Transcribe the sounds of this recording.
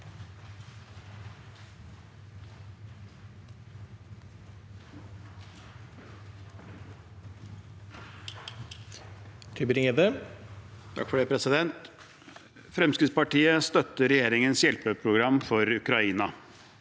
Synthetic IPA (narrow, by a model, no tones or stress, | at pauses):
t̪ʰybəɾɪŋɛd̪ə | t̪ʰɑ̰kːfɔɖɛpʰɾɛsɪd̪ɛnt̪ | fɾɛmskəspɑʈiːəst̪œt̪ːəɾɛjeːɾɪŋənsjɛlpəpʰɾʊɡɾɑmːfɔɾʉkɾɑiːnɑ